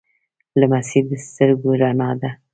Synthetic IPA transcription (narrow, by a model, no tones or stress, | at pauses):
lamasiɾd̪əst̪əɾɡoɾanɑd̪a